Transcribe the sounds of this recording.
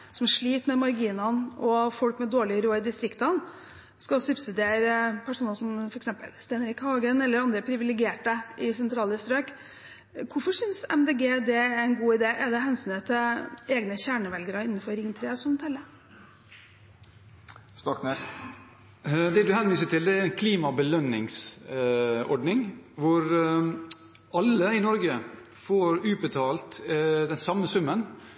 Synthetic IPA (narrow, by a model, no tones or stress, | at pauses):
sɔmæʂɭiːt̪mɛmɑɾɡiːnɑnɔfɔlkmɛd̪oːɭɪɾoːəd̪ɪst̪ɾɪkt̪ɑn | skɑsʉbsɪd̪eːɾəpʰæʂuːnɑlsɔmfɔɾɛksɛmpə̰lst̪eːnəɾɪkhɑːɡənɛlːəɾɑnd̪ɾəpʰɾɪʋɪlɛɡɪeːʈəɪsɛnt̪ʰɾɑːləst̪ɾøːk | kʊɾfɔʂʏnsɛ̰md̪eːɡeːd̪ɛæɪnɡuːɪd̪eːʔɛɖɛɦɛnsyːnət̪ʰɪeːɡnəçæːɳəʋɛlɡəɾəɪnːəfɔɾːɪŋt̪ʰɾeːsɔmt̪ʰɛlːə | st̪ɑknes | d̪ɛːd̪ʉhɛnʋiːsəʈɪld̪ɛæɾɛnkʰliːmɑbəlœnːɪŋs | ɔ̰ɖnɪŋʋʊɾ | ɑlːəɪnɔɾɡə | foːɾʉːbət̪ʰɑːlt̪d̪ɛnsɑmːəsʉmːən